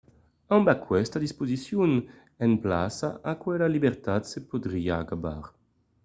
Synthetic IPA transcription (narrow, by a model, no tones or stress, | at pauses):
ãmbakwɛst̪ad̪ispozisjun | ɛnplasaʔakwɛlalibeɾt̪at̪sepod̪ɾiːaːkaba̰ɾ